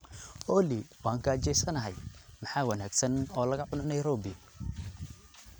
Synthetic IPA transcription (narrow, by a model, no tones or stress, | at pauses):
ɔːliwaːŋkʰɐt͡ʃɛjsɐnɐɦɛjmɑħɑːwɐnaːɡsɐnɔːlɐɣɐʕʊnɐnɐjɾɔːbɪ